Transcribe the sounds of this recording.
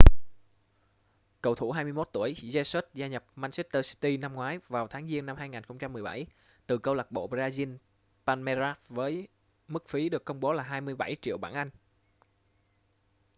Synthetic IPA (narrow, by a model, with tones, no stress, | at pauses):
kə˨˩wt̪ʰu˧˩hɦaː˧jmɨ˧əjmo˦˥t̚t̪u˧˩əjzɛ˧swə˦˥t̚zaː˧ɲə˨˩p̚maː˧nsi˦˥t̚t̪əː˧st̪i˧na˧mŋwaː˨˦jvaː˨˩wt̪ʰaː˨˦ŋzi˧ənːa˧mhaː˧jŋaː˨˩nxə˧wŋ͡mt͡ɕa˧mːɨ˨˩əjɓa˧˩j | t̪ɨ˨˩kə˧wla˨˩k̚ɓo̰˧˨zaː˧zi˧n | paː˧nmɛ˧za˦˥t̚vəː˨˦j | mɨ˦˥k̚fi˨˦ɗɨ˨˩əkːə˧wŋ͡mɓo˨˦laː˨˩ɦaː˧jmɨ˧əjɓa˧˩jt͡ɕḭ˧˨əwɓa̰ː˧˩nʔa˧jŋ̟